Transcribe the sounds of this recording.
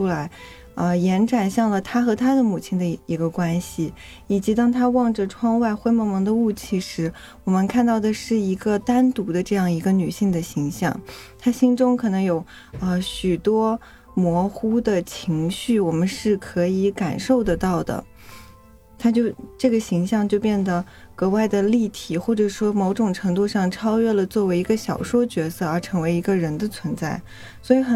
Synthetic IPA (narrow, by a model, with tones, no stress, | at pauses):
u˥la˧˥ɪ | ə˧jɛ˧˥nʈ͡ʂa˨˩nɕjɑ˥˩ŋlə˩t̪ʰa˥xɤ˧˥t̪ʰa˥d̪ə˨mu˨˩t͡ɕʰi˥nd̪ə˧i˧˥ɡə˧kwa˥nɕi˨˩ | i˨˩t͡ɕi˧˥t̪ɑ˥ŋt̪ʰa˥wɑ˥˩ŋʈ͡ʂə˩ʈ͡ʂʰwɑ˥ŋwa˥˧ɪxwe˥ɪmɔ˧˥mɤ˧˥ŋd̪ə˧u˥˧t͡ɕʰi˥˩ʂɻ̩˧˥ | wɔ˨˩mə˧˦nkʰa˥˧nt̪ɑ˥˩ʊd̪ə˩ʂɻ̩˥˩i˧˥ɡə˧t̪a˥nt̪u˧˥d̪ə˧ʈ͡ʂɤ˥˧jɑ˥˩ŋi˧˥ɡə˧ny˨˩ɕi˥˩ŋd̪ə˩ɕi˧˥ŋɕjɑ̰˥˩ŋt̪ʰa˥ɕi˥nʈ͡ʂʊ˥ŋkʰɤ˨˩nɤ˧˥ŋjo˧˩˦ʊ | ə˧ɕy˨˩t̪wɔ˥ | mwɔ˧˥xu˥d̪ə˨t͡ɕʰi˧˥ŋɕy˥˩wɔ˨˩mə˦nʂɻ̩˥˩kʰɤ˧˥i˧˥ka̰˨˩nʂo˥˩ʊd̪ə˩t̪ɑ˥˩ʊd̪ə̰˩ | t̪ʰa˥t͡ɕjo˥˧ʊʈ͡ʂɤ˥˩ɡə˩ɕi˧˥ŋɕjɑ˥˧ŋt͡ɕjo˥˧ʊpjɛ˥˩nd̪ə˩ | kɤ˧˥wa˥˩ɪd̪ə˩li˥˩t̪ʰi˨˩xwɔ˥˩ʈ͡ʂɤ˨˩ʂwɔ˥mo˧˥ʊʈ͡ʂʊ˨˩ŋʈ͡ʂʰɤ˧˥ŋt̪u˥˧ʂɑ˥˩ŋʈ͡ʂʰɑ˥ʊɥɛ˥˩lə˩t͡swɔ˥˩we˧˥ɪi˧˥ɡə˧ɕjɑ̰˨˩ʊʂwɔ˥t͡ɕɥɛ˧˥sɤ˥˩ə˞˧˥ʈ͡ʂʰɤ˧˥ŋwe˧˥ɪi˧˥ɡə˧ɻə˧˥nd̪ə˧t͡sʰwə˧˥nt͡sa˥˩ɪ | swɔ˧˥i˧˥xə˨˩